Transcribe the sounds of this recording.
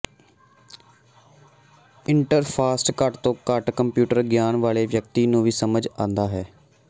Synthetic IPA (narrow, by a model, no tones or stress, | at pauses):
ɪɳʈəɾpʰaːsʈkəʈt̪õːkəʈkəmpjuːʈəɾɡjaːnʋaːɭeːʋjək̚t̪iːnũːʋiːsəməd͡ʒãːnd̪aːɦɛː